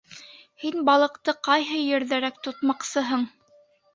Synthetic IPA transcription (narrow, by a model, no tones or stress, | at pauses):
hinbɑlˠɤ̆qt̪ɤqɑjɦɤjɘ̆ɾðæɾækt̪ŏt̪mɑqsɤɦɤɴ